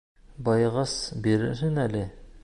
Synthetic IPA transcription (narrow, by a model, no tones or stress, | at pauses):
bɒjʁɑsbiɾɘ̰ɾɦɘnælɘ